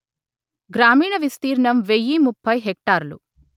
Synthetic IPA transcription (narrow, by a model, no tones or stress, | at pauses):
ɡɾaːmiːɳɐʋist̪iːɾɳɐmʋejːimupʰːɐjɦek̚ʈaːɾlṵ